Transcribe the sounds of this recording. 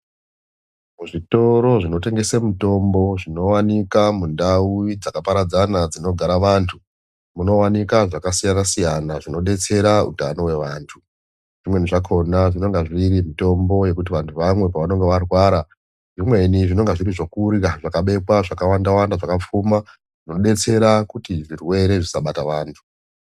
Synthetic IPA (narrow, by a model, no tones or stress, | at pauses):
muʐito̞ɾo̞ʐino̞te̞ŋɡe̞semuto̞mbo̞ʐino̞wanikamundauid͡zakapaɾad͡zanad͡zino̞ɡʱaɾaʋantʰu | muno̞wanikaʐakasijanasijanaʐino̞ɗe̞t͡se̞ɾaṵtano̞we̞ʋaːntʰu | ʐ̥imwe̞niʐakʰo̞naʐino̞ŋɡaʐiɾimito̞mbo̞je̞kut̬iʋantʰuʋamwe̞paʋano̞ŋɡeʋarwaːɾa | ʐimwe̞niʐino̞ŋɡaʐiɾiʐo̞kuraʐakaɓe̞pwaʐakawandawandaʐakap͡fuma | ʐ̥ino̞ɗe̞t͡se̞ɾakutiʐirwe̞ɾe̞ʐisaɓataʋaːntʰu̥